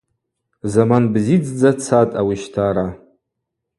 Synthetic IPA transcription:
zamanbzid͡zd͡zat͡sʰatʼawiʃtʰaɾa

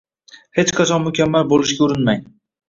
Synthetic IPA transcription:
he̞t͡ʃqʰɑt͡ʃʰɒnmʊkʲʰamːalbolˠɪʃɡʲaʊɾɪnmaj

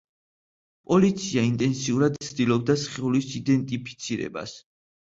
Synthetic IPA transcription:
pʼɔlit̪sʰiaint̪ʼɛnsiuɾad̪̚t̪sʰd̪ilˠɔb̚d̪asχiulisid̪ɛnt̪ʼipʰi̥t̪sʰiɾɛ̰ba̰s

